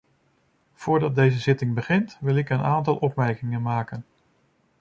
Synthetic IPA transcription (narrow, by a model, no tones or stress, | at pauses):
v̥ʊːɹdɑt̚dejzəzɪtɪŋbəχɪntʋɪlˠɪkənaːntɑlˠʔɔpmɛɹkɪŋənmaːkən